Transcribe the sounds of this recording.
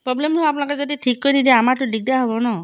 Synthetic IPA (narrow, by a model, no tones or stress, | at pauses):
pɾɔblemɔapnãkɔd͡ʒɔd̪iʈʰikːɔjnid̪eamaʈũlik̚daɦɔbɔnɔ